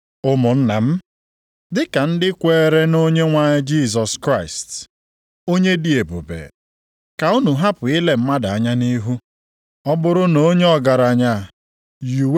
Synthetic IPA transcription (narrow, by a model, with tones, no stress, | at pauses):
ʊ˦mʊ˨n̩˦na˨m̩˦ | dɪ˦ka˨n̩˦dɪ˦kʷeː˦˨˦ɾe˦no˦ɲe˦ŋʷa˦ɲe˦d͡ʒi˦˨z̬ɔ˨skɾa˦˨ɪ˨st | o˦ɲe˦di˨e˨bo̰˨bḛ˨ | ka˨ʊ˦nu˨ɦa˦pʊ˨ɪ˦le˨m̩˦ma˦da˨a˦ɲa˦ni˦ɦu˦ | ɔ˦bʊ˦ɾʊ˦no˦ɲe˦ɔ˨ɡa˨ɾa˨ɲa˨ | ju˨w